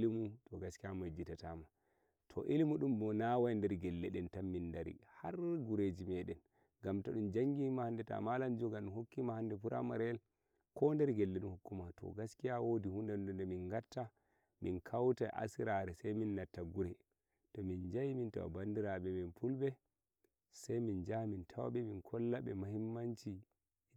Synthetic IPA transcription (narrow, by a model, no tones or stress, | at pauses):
limutɔɡaskijamad͡ʒitatama | tʰɔ̰ʔilimuɗumbɔnawajndɛɾɡɛlːɛɗɛntamːindaɾḭhaɾɡuɾed͡ʒimɛɗɛn | ɡamtaɗumd͡ʒaŋɡimahandɛta̰maland͡ʒɔɡaɗumhokːimahandɛpuɾʔa̰maɾɛl | kʰɔndɛɾɡɛlːɛnuhukːumatɔ̰ɡaskijawodihundɛundɛndɛminŋɡatːa | minkʰawtaʔa̰siɾaɾɛsajminːatːaɡuɾɛ | tɔmind͡ʒajiminta̰wa̰bandiɾaɓɛminpʰulbɛ | sajmind͡ʒamintʰawa̰ɓɛminkʰɔlːaɓɛmahimːant͡ʃi